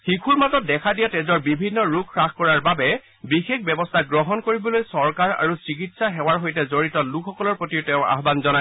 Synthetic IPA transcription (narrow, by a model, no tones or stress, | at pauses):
xikʰuɹmatɔt̚dɛkʰadijatɛzɔɹbibʱinːɔɹukʰːɹaxkɔɹaɹbabɛ | bixek̚ʰbɛbɔstʰaɡɹɔɦɔnkoɹibɔlojsɔɹkaɹa̰ɹusɹik̬itsaɦɛwaɹɦojtɛzoɹitɔlukʰɔkɔlɔɹpotiwtɛʊ̃a̰ɦbanzɔna